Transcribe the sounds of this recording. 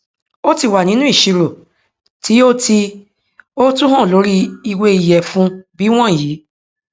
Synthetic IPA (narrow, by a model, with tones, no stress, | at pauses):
o˦ti˦˨wa˨nĩ˨˦nũ˦i˦˨ʃi˧ɾo˨ | ti˨˦o˦ti˧ | o˦tũ˦ɦã˦˨lo˨˦ɾi˦i˧we˧i˨jɛ˨fũ˦bi˨˦w̃ɔ̃˦˨jiː˨˦